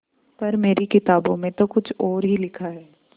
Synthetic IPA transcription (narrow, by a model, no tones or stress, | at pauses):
pɐɾmeːɾikɪt̪aːbõmẽt̪okʊt͡ʃʰɔːɾɦilɪkʰaɦɛː